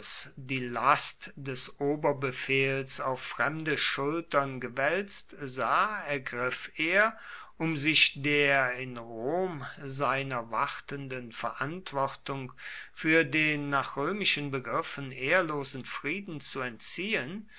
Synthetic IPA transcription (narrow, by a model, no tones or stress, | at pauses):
sd̥iːlastd̥ɛsʔoːbɐbəfeːlsaʊfːʁ̥ɛmdəʃʊltɐnɡəvɛlt͡stzaːɛɐɡʁɪfeːɐ | ʔʊmzɪçdeːɐɪnʁoːmzaɪnɐvaʁtəndənfɛɐʔantv̥ɔʁtʊŋfyːɐdeːnːaːχʁ̥øːmɪʃənbəɡʁɪfən̩ʔeːɐloːzn̩fʁ̥iːdn̩t͡suɛntt͡siːən